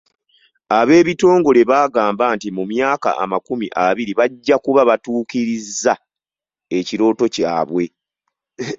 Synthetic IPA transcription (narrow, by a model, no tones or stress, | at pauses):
aβe̞ːβito̞ːŋɡo̞le̞βaːɡaːmbantimumjaːka̰ʔa̰makumiʔaβiɾiβaɟːakuβaβatuːkiɾizːa | e̞ciɾo̞ːto̞ca̰ːβwe̞